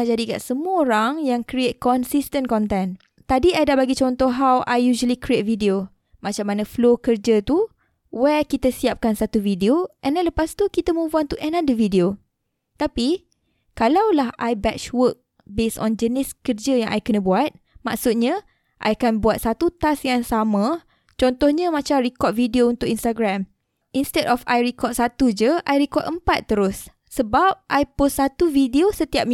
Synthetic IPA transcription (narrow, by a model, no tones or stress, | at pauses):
ad͡ʒadika̰ʔsəmuəoɾaŋjaŋkɾiet̪̚kɔnsist̪ənkɔnt̪ɛn | t̪adiadabaɡit͡ʃɔnt̪ɔɦawʔajjuʒəlikɾiet̪̚vidio | mat͡ʃamːanãflokərd͡ʒət̪u | wɛkit̪asiap̚kansat̪uvidioʔɛ̃nlaləpast̪ukit̪əmũvuant̪uʔɛ̃nãndəvidio | t̪api | kalawlaɦʔajbɛt͡ʃwək̚ | besɔ̰̃nd͡ʒənɪskərd͡ʒəjãŋʔa̰jkənə̃buat̪̚maksut̪̚ɲã | ʔa̰jkanbuat̪̚sat̪ut̪asjaŋsamã | t͡ʃɔnt̪ɔhɲãmat͡ʃamɾikɔt̪̚vidiount̪ʊkinst̪aɡɾam | ʔinst̪ɛdɔfajɾikɔt̪̚sat̪ud͡ʒəʔajɾikɔt̪ʔəmpat̪ːəɾʊsː | əbap̚ʔajpʊssat̪uvidiosət̪iap̚m